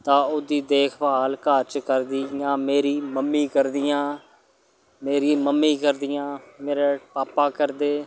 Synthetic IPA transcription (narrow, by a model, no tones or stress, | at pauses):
t̪ãːʊd̪iːd̪eːkʰbaːlkəɾt͡ʃkəɾd̪iːjãːmeːɾiːməmːiːkəɾd̪ɪjãː | meːɾiːməmːiːkəɾd̪ɪjãːmeːɾeːpaːpaːkəɾd̪eː